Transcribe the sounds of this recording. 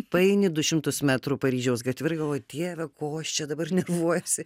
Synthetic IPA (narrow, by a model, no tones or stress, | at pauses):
pɐɛɪnʲɪd̪ʊʃʲɪmt̪ʊsmʲæːt̪ɾuːpɐɾʲiːʒʲɛʊsɡɐt̪ʲʋʲɪrɡɐlˠoːt̪ʲiːʋʲɛkoːɐʃt͡ʃʲɛd̪ɐbɐrnʲɛʋuɔjosʲɪ